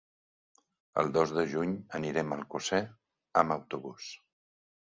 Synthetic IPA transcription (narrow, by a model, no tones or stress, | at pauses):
ə̰lˠd̪ozðəʒuɲəniɾɛməlˠkusɛ | əməwt̪uβus